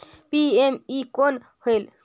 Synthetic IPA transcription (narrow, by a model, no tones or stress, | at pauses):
piemikol | hol